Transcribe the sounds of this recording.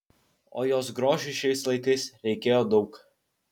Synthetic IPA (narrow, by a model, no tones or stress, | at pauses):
o̰ːjoːs̬ɡɾoːʒʲɪʃʲɛɪslˠɐɪt̪ʲɐɪsɾʲɛɪkʲeːjoːd̪ɒʊk